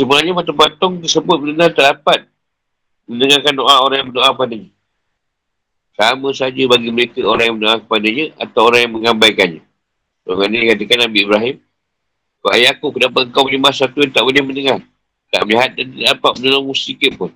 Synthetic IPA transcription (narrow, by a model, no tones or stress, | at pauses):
səmənaɲəmat̪ɔŋpat̪ɔŋt̪̬əsəbʊt̪̚mədənat̪adapat̪̚ | mənəŋakandoʔaoɾaŋjãŋməndoʔakəpadəɲə | saməsad͡ʒəbaɡiməɾekəoɾaŋjaŋmənoakə̥padəɲəʔa̰t̪awoɾaŋjaŋməŋambajkanɲə | oɡanikat̪əkanːabiːbɾaɦɪm | koajakuʔkədapat̪̚ŋkawbəlimasat̪uant̪aʔbulɛhməndəŋar | t̪a̰ʔməliɦat̪̚dant̪ədadapat̪̚mənolɔŋmusikəʔpʊn